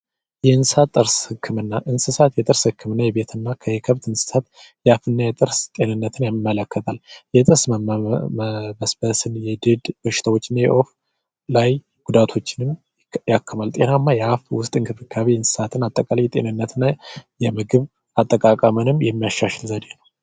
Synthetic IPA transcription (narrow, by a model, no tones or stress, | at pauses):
jɛnsɨsat̪ʼːɨɾshɨkʰːɨmɨnːaʔɨnsɨsat̪jɛt̪ʼɨɾshɨkːɨmɨnːajɛβe̞t̪ʰɨnːakʰəjɛkʰəβt̪ɨnsɨ̥sat̪ | jɛafɨnːajɛt̪ʼɨɾst̪ʼe̞nɨnːət̪ʰɨnjamːələkːət̪ʰaljɛt̪ʼɨɾsmm | bəsb̥əsɨnjɛd̪ɨd̪bəʃɪ̥t̪ʰawo̞t͡ʃːɪnːajɛ̰ʔo̞f | laj | ɡ̥ud̪at̪ʰo̞t͡ʃːɪnɨm | jakʰːəmalt̪ʼe̞namːajɛafwʊst̪ʼɨŋkʰɨfɨkʰːaβiɨnsɨ̥sat̪ʰɨnat̪ʼːəkʼalajɛt̪ʼe̞̰nɨnːət̪ʰɨnːajɛmɨɡɨβ | at̪ʼːəkʼakʼəmənɨmjɛmːijaʃːaʃɪlzəd̪e̞nəw